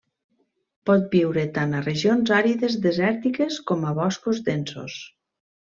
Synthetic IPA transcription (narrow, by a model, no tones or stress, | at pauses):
pɔt̪̚biwɾet̪anareʒionzaɾiðezðezɛɾt̪ikeskɔmaβɔskozd̪enso̰s